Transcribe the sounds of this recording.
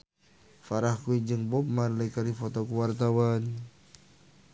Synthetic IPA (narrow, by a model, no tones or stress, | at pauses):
faɾahkuiɲd͡ʒɨŋbɔp̚manləkaɾifɔt̪ɔkuwart̪awan